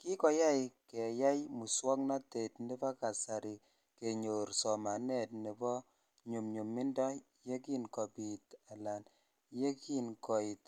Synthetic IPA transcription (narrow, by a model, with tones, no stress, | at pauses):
ki˦kɔ˨ja˦jkɛ˨ja˦jmu˨swɔ˦kna˦te˨tni˦ba˦ka˨sa˨ɾi˨ | ke˨ɲo˨ɾsɔ˨ma˨nɛ˦˨t̚ni˨bɔ˦ | ɲu˨mɲu˨mːi˦ndɔ˦ | je˦ki˦nkɔ˨pi˨ta˨la˨n | je˦ki˦nkɔ˨i˨t